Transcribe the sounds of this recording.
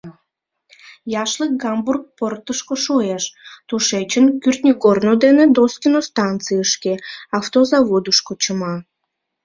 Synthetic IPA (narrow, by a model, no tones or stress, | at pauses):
jɑʃlək̚ɡɑmburk̚port̪əʃkoʃueʃt̪uʃet͡ɕənkyrt̪nʲikornod̪ened̪oskʲinost̪ɑnt͡sɨəʃkeɑft̪ozɑβod̪əʃkot͡ɕəmɑ